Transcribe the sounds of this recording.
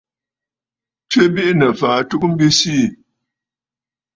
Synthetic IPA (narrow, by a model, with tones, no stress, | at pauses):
t͡ʃɥe˦bi˦ʔnə˨faː˨˦tu˦k̚m̩˦bi˦siː˦˨